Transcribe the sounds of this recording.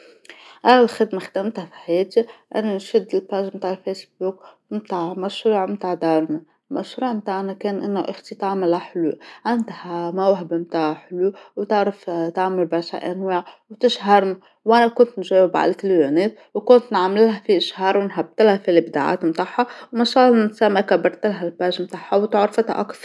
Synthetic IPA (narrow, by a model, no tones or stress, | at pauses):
ʔælælxɪd̪maxd̪æmt̪hæfi̥ħajɛːt̪iʔænːænʃɪd̪ːɪlpaʒmt̪aːʕlfesbuːk̚ | mt̪aːʕmaʃɾuːʕmt̪aːʕd̪ɑːɾˤma | mʔaʃɾuːʕmt̪aːʕnækɛːnʔɪnːæʔɪxt̪it̪ɑʕməlhæħluʕand̪hmæwɦɪbmt̪aːʕħluwt̪aʕɾɪft̪aʕmalbɑɾˤʃha̰ʔa̰nwaːʕwt̪ɪʃɦɑɾˤna | wʔanakʊnt̪nʒeːwɪbʕa̰lat̪ljoneːt̪̚ | wkʊnt̪nʕamɪlhafiʔɪʃhɑːɾˤwɪnɦab̚t̪ɪlhafilibd̪aʕa̰ːt̪mt̪aħːawmaʃɑːlnɪt̪samːakabɑɾˤt̪ɪlɦalpaːʒmt̪aħːawt̪aʕɾfat̪ʔa̰kːf